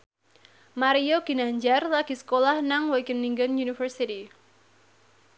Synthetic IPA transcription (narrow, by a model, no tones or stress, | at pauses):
maɾioɡ̥i̤naɲd͡ʒarlaɡ̥i̤sə̥kolahnaŋwɔɡəniŋɡənjunifərsiti